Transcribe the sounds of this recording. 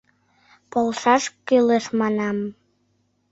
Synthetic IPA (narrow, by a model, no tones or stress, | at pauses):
polˠʃɑʃkyleʃmɑnɑm